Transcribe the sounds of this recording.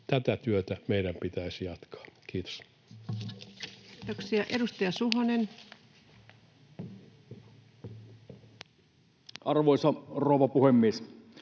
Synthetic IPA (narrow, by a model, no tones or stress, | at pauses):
t̪æt̪æt̪yøt̪æmeˑidæmpit̪æisijɑt̪kʰɑ̥ːkiːt̪o̥s | t̪oksiɑʔedust̪ɑjɑsuɦonen | ɑrʋoˑisɑroˑʋɑpuhemːies